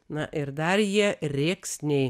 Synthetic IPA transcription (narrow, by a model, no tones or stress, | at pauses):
nɐʔɪɾd̪ɐrjiɛɾʲeːksnʲɛɪ